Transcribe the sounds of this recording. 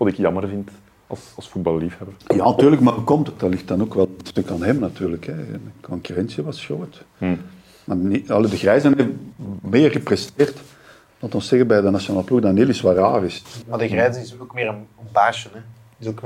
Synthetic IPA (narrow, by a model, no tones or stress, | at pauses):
ʋɑtɪkjɑmərvɪnt | ɑlˠsɑlˠsfud̚bɑlˠːifhɛbəja̰ːnɑtyːrləkmaəkɔmtəd̥arlɪxtdɑnoːkʋɛlstɵkanɦɛmnɑtyːrləkɛkɔŋkyrɛnsiʋɑsxoːt | maniɑlədəɣrɛːzənemeːrɣəprɛsteːrt | dɑntɔnsɛɣənbɛjdənasjonaːlˠəpluɣdaneːlisʋaɾaːrɪsmadəɣrɛːzəɪsokmɪːɾənənpaːʃənɛ | ɪsok